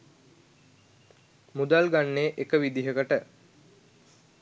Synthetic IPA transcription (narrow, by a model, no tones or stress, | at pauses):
mud̪alɡanːeːʔekəʋid̪iɦəkəʈə